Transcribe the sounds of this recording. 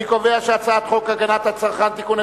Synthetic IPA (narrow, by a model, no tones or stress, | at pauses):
ikoveaʃeat͡sat̪χokaɡanat̪hat͡saʁχant̪ikune